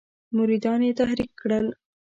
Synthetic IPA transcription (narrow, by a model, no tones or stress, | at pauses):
mʊɾid̪ɑnjet̪ahɾikːɽəl